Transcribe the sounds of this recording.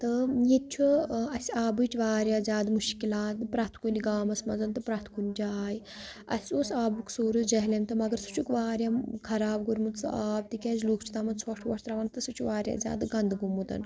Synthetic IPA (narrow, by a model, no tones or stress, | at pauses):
t̪ɨjet̪̚t͡ʃʰuɐsʲaːbɨt͡ʃʲʋaːɾʲjaːzʲaːd̪muʃkilaːt̪pɾaːt̪ʰkunʲiɡaːmɐsmɐzɐnt̪ɨpɾat̪ʰkunʲd͡ʒaːj | ɐ̰sʲoːsaːbuksoːɾɨd͡ʒɐɦlemt̪ɨmɐɡɐɾsu̥t͡ʃʰukʋaːɾjamkʰɐɾaːbɡoɾʲmut̪t͡sɨaːbt̪ikʲɛːzluːkʰt͡ʃʰi̥t̪aːmɐnsʰɔʈʰʋɐʈt̪ɾaʋɐnt̪ɨsut͡ʃʰuʋaːɾja̰ːzʲa̰ːd̪ɡɐnd̪ɡumːud̪ɐ̰n